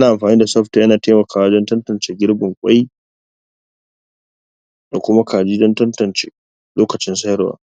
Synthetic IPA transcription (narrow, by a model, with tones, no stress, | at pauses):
ʔnaː˨ʔa˨mɸaː˨niː˦da˨sɐ˦ɸtaː˨˦ʔa˦naː˨teː˦mɐ˨kʰaː˨waː˦d͡ʒɐ˦ntɐ˦ntɐ˨nt͡ʃeː˨ɡʲɪ˦ɽbɐ˨ŋkʷʼa˦j | da˨kʷʊ˦ma˦kʰaː˨d͡ʒiː˦d͡ʒɐ˦ntɐ˦ntɐ˨nt͡ʃeː˨ | loː˦kɐ˨t͡ʃɪ˦nsɐ˦ɾwa̰ː˨